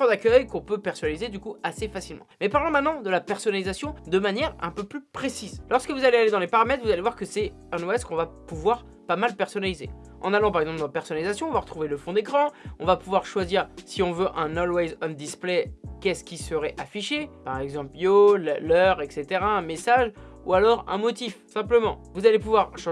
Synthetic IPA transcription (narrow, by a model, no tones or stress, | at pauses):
ɔ̃d̪akʲœjkɔ̃pøpɛʁsɔnalized̪ykuasefasilmɑ̰̃mɛpaʁlɑ̃mɛ̃t̪nɑ̃d̪əlapɛʁsɔnalizasjɔ̃d̪əmanjɛʁɛ̃pøplypχesizlɔʁskəvuzalealed̪ɑ̃lepaʁamɛt̪χvuzalevwaʁkəsɛ | ɛ̃noɛskɔ̃vapuvwaʁ | pamalpɛʁsɔnalizḛ | ʔɑ̰̃nalɑ̃p̬aʁɛɡzɑ̃pld̪ɑ̃pɛʁsɔnalizasjɔ̃ɔ̃vaʁət̪χuveləfɔ̃d̪ekχɑ̃ɔ̃vapuvwaʁʃwaziːʁsiɔ̃vøʔɛ̃nɔlwɛzɔnd̪isplɛkʲɛskʲisəʁɛʔafiʃepaʁɛɡzɑ̃pljollœʁɛkset̪eʁaɛ̃mesaʒualɔʁɛ̰̃mɔt̪ifsɛ̃pləmɑ̃vuzalepuvwaʁʃɑ̃